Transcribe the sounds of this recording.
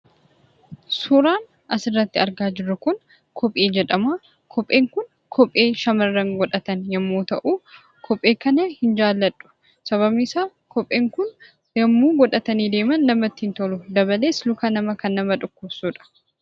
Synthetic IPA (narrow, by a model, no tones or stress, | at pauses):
suɾaːn | ʔɐsɪrːɐt̪ːɪɐɾɡaːd͡ʒɪrːʊkʊn | kʰɔpʼʔeːd͡ʒɛᶑɐmaː | kʰɔpʼːe̞ːŋkʊn | kʰɔpʼːeːʃɐmɐrːɐŋɡɔᶑɐt̪ɐnjɐmːoːt̪ɐʔuː | kʰɔpʼːe̞ːkɐnɐhɪnd͡ʒaːlːɐᶑʼːʊ̥ | sɐβɐbnɪsaː | kɔpʼːeːŋkʊn | jɐmːuːɡɔᶑɐt̪ɐniːd̪e̞ːmɐnːɐmɐt̪ːɪhɪnt̪ɔlʊd̪ɐbɐle̞ːslʊkanɐmɐkɐnːɐmɐᶑʊkːʊbsuːᶑɐ̥